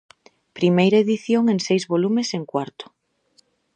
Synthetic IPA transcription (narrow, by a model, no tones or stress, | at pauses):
pɾimejɾɐeðiθjoŋeŋsejzβolumeseŋkwaɾt̪ʊ̥